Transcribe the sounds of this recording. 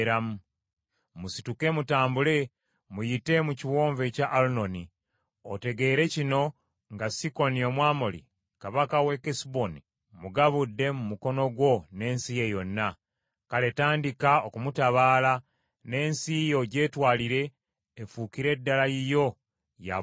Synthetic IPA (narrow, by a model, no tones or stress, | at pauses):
ɾamu | musi̥tukemutaːmbule̞ | mujite̞muciwo̞ːɱve̞caʔːluno̞ni | ote̞ɡe̞ːɾe̞cino̞ | ŋɡasiko̞nio̞mwaːmolḭ | kaβakawe̞kesboni | muɡaβudːe̞mumuko̞no̞ɡwo̞ne̞ːnsije̞jo̞nːa | kale̞taːndikaokumutaβaːla | ne̞ːnsijo̞ɟe̞ːtwaːliɾe̞ː | fukiɾe̞dːalajijo̞ | ja̰